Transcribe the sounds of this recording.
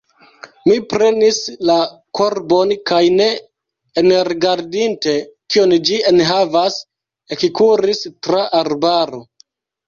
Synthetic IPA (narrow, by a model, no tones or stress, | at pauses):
mipɾe̞nisla | kʰo̞ɾbo̞nkajne̞ː | nɾiɡaɾdinte̞kiond͡ʒienɦavas | ekikuɾistɾaʔaɾbaɾo̞